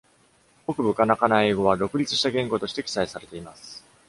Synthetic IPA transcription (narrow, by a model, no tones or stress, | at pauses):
o̞kɯ̟bɯ̟kanakanae̞ːɡo̞βad̪o̞kɯ̟ɾʲit͡sɨ̥ɕi̥t̪aɡẽ̞ŋɡo̞t̪o̞ɕi̥t̪e̞kʲi̥saisaɾe̞t̪eimasɨ̥